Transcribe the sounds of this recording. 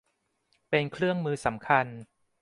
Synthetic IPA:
pe˧nkʰɾɯ˥˩əŋmɯː˧sa˩˦mkʰa˧n

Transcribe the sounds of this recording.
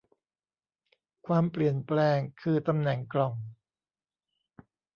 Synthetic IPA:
kʰwaː˧mpli˨˩ənplɛː˧ŋkʰɯː˧t̪a˧mnɛ˨˩˦ŋklɔ˨˩ŋ

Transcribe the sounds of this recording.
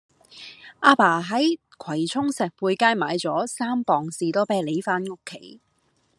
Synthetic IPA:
ʔaː˧paː˨˩ɦɐ˨˥j | kʰɐ˨˩jt͡sʰʊ˥ŋsɛː˨˩k̚puː˧jkaː˥jmaː˨˧jt͡sɔː˨˥saː˥mpɔː˨ŋsiː˨t̪ɔː˥pɛː˥le˨˧˥jfaː˥nŋʊ˥kʰːe˨˥j

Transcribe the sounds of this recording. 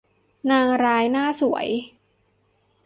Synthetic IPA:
naː˧ŋɾaː˦˥jnaː˥˩su˨˩˦ə̰˦j

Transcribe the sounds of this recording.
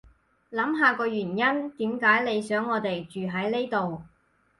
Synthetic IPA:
lɐ˨˥mɦaː˨˧kɔː˧ɥyː˨˩njɐ˥nt̪iː˨˥mkaː˨˥jle˨˧jsœː˨˥ŋːɔː˨˧t̪e˨jt͡ʃyː˨ɦɐ˨˥jne˥jt̪o˨w

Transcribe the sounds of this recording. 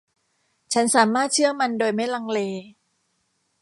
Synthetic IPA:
t͡ɕʰa˦˥nsaː˩˦maː˥˩t̪̚t͡ɕʰɯ˥˩ɐma˧ndoː˧jma˥˩jla˧ŋleː˧

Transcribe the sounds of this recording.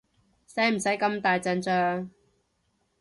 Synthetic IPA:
sɐ˨˥m̩˨˩sɐ˨˥jkɐ˧mt̪aː˨jt͡sɐ˧nt͡sœː˧ŋ

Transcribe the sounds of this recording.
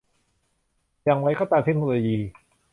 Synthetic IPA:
ja˧ŋwa˦˥jkɔː˥˩t̪aː˧mt̪ʰe˦˥k̚noː˧loː˧jiː˧

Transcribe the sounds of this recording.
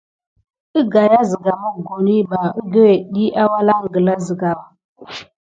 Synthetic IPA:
ə˦ɡa˨ja˦zi˨ɡa˨mo˦ɡo˨ni˦ba˨ə˦ɡə˦we˨ɗi˦ʔa˦wa˦la˦ŋ˨ɡə˨la˦zi˨ɡa˨wa˨

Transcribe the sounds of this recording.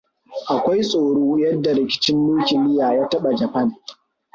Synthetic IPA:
ʔa˨kʷa˦jsʼoː˨ɽoː˦jɐ˦dːa˨ɾɪ˨kʲɪ̥˦t͡ʃɪ˦nːuː˦kʲɪ˨lɪ˦jaː˨jaː˦tɐ˦ɓa˨d͡ʒɐ˨pɐ˦n

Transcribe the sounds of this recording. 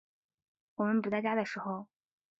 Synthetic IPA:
wɔ˨˩mə˦npu˨˩t̪ɑ˥˩t͡ɕja˥d̪ə˨ʂɻ̩˧˥xo˧ʊ

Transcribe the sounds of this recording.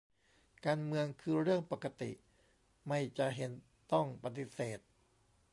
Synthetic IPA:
kaː˧nmɯ˧əŋkʰɯː˧ɾɯ˥˩əŋpa˨˩ka˧t̪ḭ˨˩ʔ | ma˥˩jt͡ɕa˧˩ʔɦe˨˩˦n | t̪ɔ˥˩ŋpa˧t̪̬i˧˩seː˨˩t̪̚

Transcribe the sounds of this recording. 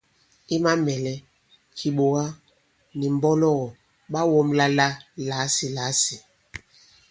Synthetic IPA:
i˦ma˦mɛ˨lɛ˦ | kʰi˨ɓo˨ɣa˦ | ni˨m˨bɔ˦lɔ˦ɣɔ˨ | ɓa˦wɔ˦mla˦la˦la˨˦si˨la˨˦si˨

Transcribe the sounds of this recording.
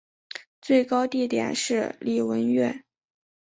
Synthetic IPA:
t͡swe˥˩ɪkɑ˥ʊt̪i˥˩t̪jɛ̰˨˩nʂɻ̩˥˧li˥˩wə˧˥nɥɛ˥˩n

